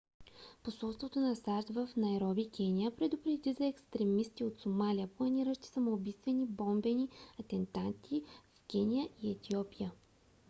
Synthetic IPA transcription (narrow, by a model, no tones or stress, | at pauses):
posɔlˠst̪vot̪onɐsaɾt̪vɐfnɐɛɾɔbikʲɛnijəpɾɛd̪ʊpɾɛd̪izɐɛkst̪ɾɛmist̪iot̪somalʲijəplˠɐniɾəʃt̪i̥sɐmoːbist̪vɛnibɔmbɛniɐt̪ɛnt̪ant̪ʰifkʲɛnʲijəʔiɛt̪ʲiɔpijə